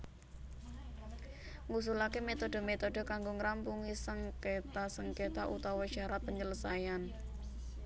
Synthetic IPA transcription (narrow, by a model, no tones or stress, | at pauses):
ŋus̬ulakemet̪oɖə̤met̪oɖ̥ə̤kaŋɡoŋɾampuŋisəŋket̪asəŋket̪aʔut̪awɔʃaɾat̪̚pəɲd͡ʒələsajan